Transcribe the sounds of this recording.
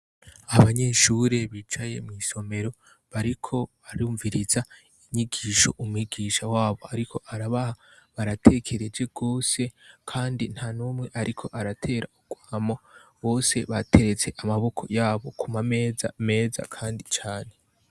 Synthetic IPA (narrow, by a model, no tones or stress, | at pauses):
aβaɲe̞ʃuːɾe̞βiːt͡ʃaje̞mwiso̞me̞ɾo̞ | βaɾikʰo̞ | aɾuːɱviɾiza | iɲiɡiːʃo̞̰ʔumuiɡiʃawaːβo̞a̰ɾikʰo̞ʔaɾaβahaβaɾatʰe̞kʰe̞ɾe̞d͡ʒe̞ɡo̞ːse̞kʰaːndin̥hanuːmŋe̞ʔaɾʔikʰo̞ʔaɾatʰe̞ːɾauɡ̥waːmoβo̞ːse̞βatʰe̞ɾe̞t͡se̞ʔamaβo̞kʰo̞̰jaːβo̞kʰumamezame̞ːza̰kʰaːndit͡ʃaːne̞